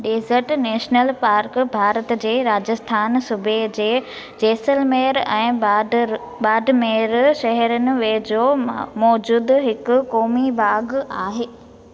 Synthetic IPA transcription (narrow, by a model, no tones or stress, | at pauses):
ɗeːzəɾʈneːʃnəlpaːɾkbʱaːɾət̪d͡ʑeːɾaːd͡ʑəst̪ʰaːnsʊbʱed͡ʑeː | d͡ʑeːsəlmeːɾɛ̃ː | ɓaːɖmeːɾʃɛɦɛɾənɪ̆ʋeːd͡ʑoːmɔːd͡ʑuːd̪ɦɪkʊkɔːmibaːɡaːɦeː